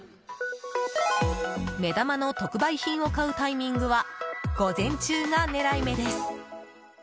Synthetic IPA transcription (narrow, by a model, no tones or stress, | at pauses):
me̞d̪amano̞t̪o̞kɯ̟baiçĩɰ̃o̞kaɯ̟t̪aimʲĩŋɡɯ̟βaɡ̥o̞zẽ̞ɲ̟t͡ɕɨːŋane̞ɾaime̞d̪e̞sɨ̥